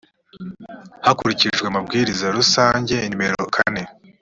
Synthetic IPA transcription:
hakuɾiciʒɡweamabɡiːɾizaɾusaːɲɟe̞inime̞ɾo̞kʰa̰ne̞

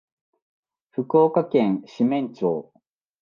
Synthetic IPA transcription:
ɸɯ̟ko̞ːkakẽ̞ɰ̃ɕimẽ̞ɲt͡ɕoː

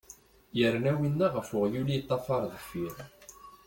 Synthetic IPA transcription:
jəɾnæwinːæʁəfʊʁjulit̪ˤːɑfɑɾˤðˤəfiɾ

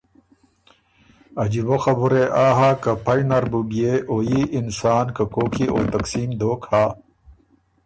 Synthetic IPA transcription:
ɐd͡ʑiboxɐbuɾeʔaːɦakɐpʰɐjnɐɾbuɡieʔoːjiʔinsaːnkɐkoːkʰiʔo̰ːt̪ɐksiːmd̪oːkhaː

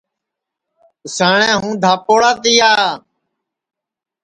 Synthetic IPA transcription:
saːɳɛ̃ːɦũːd̪ʱaːpoːɽaːt̪ɪːjaː

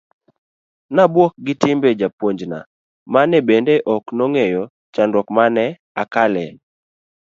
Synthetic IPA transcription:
nabwɔk̚ɡɪtɪmbed͡ʒapwoɲd͡ʒna̰ | manɛbendeʔɔknoŋejɔ | t͡ʃandɔkmanɛ | akalɛ

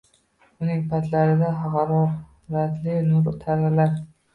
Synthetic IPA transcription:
ʊnɪŋpʰat̪laɾɪd̪aɦɑqɑɾɒ | ɾat̪lɪnʊɾt̪ʰaɾzalaɾ

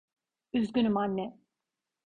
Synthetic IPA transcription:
yzɡʲynymanːɛ

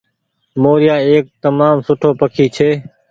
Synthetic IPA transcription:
moːɾɪjaːeːk̚t̪əmaːmsʊʈʰoːpəkʰiːt͡ʃʰeː

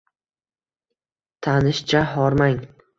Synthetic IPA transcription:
t̪ʰanɪʃt͡ʃʰaɦɒɾmaŋ

